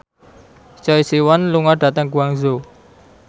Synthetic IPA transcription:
t͡ʃɔisiwanluŋaɖ̥a̤t̪əŋɡuaŋzo

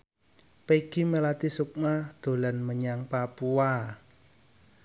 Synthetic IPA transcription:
peɡ̥imelat̪isuk̚mad̪̥o̤lanməɲaŋpapua

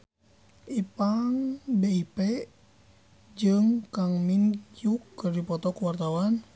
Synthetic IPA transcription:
ʔipaŋbeipɛ | d͡ʒɨŋkaŋminkjukːɨrdipɔt̪ɔkuwart̪awan

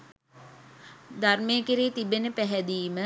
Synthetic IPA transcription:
d̪armeːkiɾiːt̪ibenəpæɦɛd̪iːmə

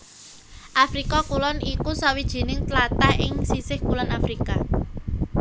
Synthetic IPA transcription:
ʔafɾikakulɔnikusawid̥ʒ̥i̤nɪŋt̪lat̪aɪŋsisɪhkulɔnafɾika

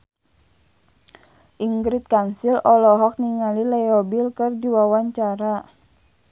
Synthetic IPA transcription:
ʔiŋɡɾit̪̚kansilɔlɔɦɔk̚niŋalilɛjɔbilkɨrdiwawaɲt͡ʃaɾa

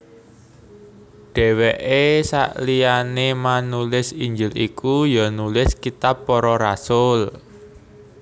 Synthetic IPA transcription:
ɖ̥ɛ̤weʔesa̰ʔlianemanulɪsiɲd͡ʒɪlikujɔnulɪskit̪apːɔɾɔɾasʊl

